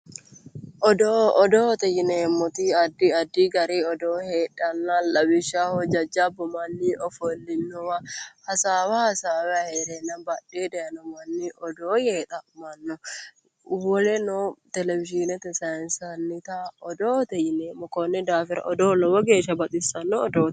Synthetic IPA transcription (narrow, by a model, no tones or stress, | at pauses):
ʔɔd̪oɔd̪oːt̪ɛjɪnɛmːɔt̪iɐd̪iɐd̪ːiɡɐɾiːɔd̪oːheːᶑɐnːalɐbɪʃahɔd͡ʒɐd͡ʒːabɔmɐnːiʔɔfɔlːɪnːɔwɐhɐsaːwɐhɐsaːwɛɐheɾɛnːɐbɐᶑeːd̪ɛjɐnɔmɐnːiʔɔd̪oːjeːt̪ʼɐmɐnːɔ | wɔlɛnɔt̪ɛlɛvɪʃinɛt̪ɛsɐjɐnsɐnːɪt̪aɔd̪oːt̪ɛjɪnɛmːɔkɔnːɛd̪aːfɪɾɐ̰ʔɔd̪oːlɔwɔɡeːʃɐbɐt̪ʼɪsɐnːɔɔd̪oː